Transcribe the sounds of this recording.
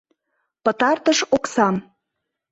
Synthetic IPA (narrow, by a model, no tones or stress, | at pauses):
pə̆t̪ɑrt̪əʃoksɑm